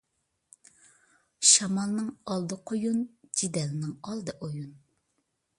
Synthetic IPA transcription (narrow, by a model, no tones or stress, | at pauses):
ʃɑmɑlˠnɨŋɑlˠd̪ɨqʰojund͡ʒid̪ɛlnɪŋɑlˠd̪ɨʔojun